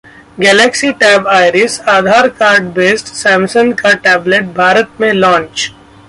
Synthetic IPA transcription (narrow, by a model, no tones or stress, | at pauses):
ɡɛːlɛːksiʈɛːbaːɪɾɪsaːd̪ʱaːɾkaːɾɖbeːsʈsɛ̃ːmsə̃nkaʈɛːbleʈ̚bʱaːɾət̪mẽlɔ̃ːnt͡ʃ